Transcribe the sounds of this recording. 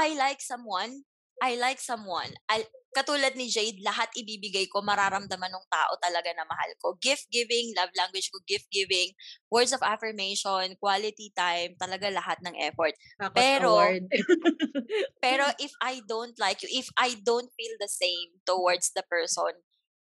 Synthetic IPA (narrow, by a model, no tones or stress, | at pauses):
ʔajlajk̚sɐmwan | ʔajlajksɐmwa̰nʔɐkɐt̪uːlɐd̪̚nɪd͡ʒejd̪̚lɐɦat̪ʔɪbiːbɪɡajko̞mɐɾaːɾɐmd̪ɐmanʊŋt̪a̰ːʔot̪ɐlɐɡanɐmɐha̰lkoɡɪft̪̚ɡɪvɪŋlɐvlaŋɡwɪd͡ʒkoɡɪft̪̚ɡɪvɪŋwɛɹd̪sɔvafɐɹmejʃonkwalɪt̪it̪ajmt̪ɐlɐɡalɐhat̪̚nɐŋʔɛ̰foɹt̪̚ | ppɛːɾo | pɛːɾo̞ʔɪfajd̪õwnt̪lajkjʊʔɪfʔajd̪õwnt̪̚fild̪ɐsẽjmt̪ʊwaɹd̪sd̪ɐpɛɹsɔ̰n